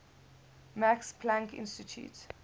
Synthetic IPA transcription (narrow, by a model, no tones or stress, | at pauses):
makspʰlãŋkɪ̰̃nstitʰjṵːt